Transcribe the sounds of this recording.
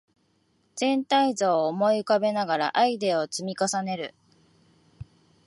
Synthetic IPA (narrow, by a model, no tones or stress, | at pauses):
z̥ẽ̞nt̪aizoːmo̞iɯkabe̞naɡaɾa̰ʔaid̪e̞ot͡sɨmʲikasane̞ɾɯ̟